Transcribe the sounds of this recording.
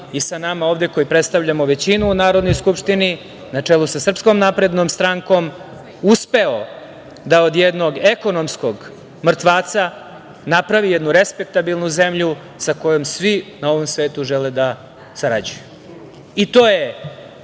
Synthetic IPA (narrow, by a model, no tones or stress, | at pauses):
isanamao̞ːʋd̪eko̞jupɾet̪st̪aʋʎamo̞ʋet͡ɕinuːnaːɾo̞d̪no̞jskupʂt̪ini | nat͡ʂelˠusasr̩pskomnapɾe̞d̪nomst̪ɾaŋko̞m | uspe̞o | d̪aod̪jed̪no̞ɡeko̞nomskoɡ | mr̩t̪ʋaːt̪sa | napɾaʋijed̪nuɾespe̞k̚t̪abilˠnuze̞mʎu | sako̞jo̞msʋinao̞ʋo̞msʋe̞ːt̪uʒeled̪a | saɾad͡ʑuju | it̪oːje